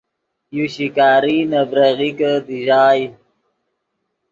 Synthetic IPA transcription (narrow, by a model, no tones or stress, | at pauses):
juɕikaːɾinɐbɾɐɣikəd̪iʑaːj